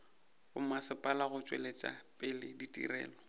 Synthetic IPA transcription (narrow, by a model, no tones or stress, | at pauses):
ʊmasɪpʼalaɣʊt͡ʃʼwḛlet͡ʃʼa̰pʼɪlɪditʼḭrɛ̰ːlɔ